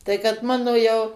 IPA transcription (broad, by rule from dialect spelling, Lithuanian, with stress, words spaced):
ˈtɐɪ kɐt ˈmɑːnoː jɛʊ